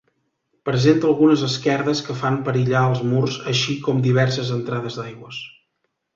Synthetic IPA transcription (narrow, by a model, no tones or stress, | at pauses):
pɾəzent̪əlˠɣunəzəskɛɾðəskəfampəɾiʎaəlˠzmurzəʃikɔmd̪iβɛrsəzənt̪ɾaðəzd̪ajɣwəs